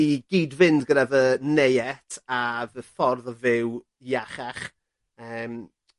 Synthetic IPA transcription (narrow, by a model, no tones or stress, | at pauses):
iɡ̥iːdvɪndɡənavənejɛtʰavəfɔrðɔvɪw | jaχaχ | əːm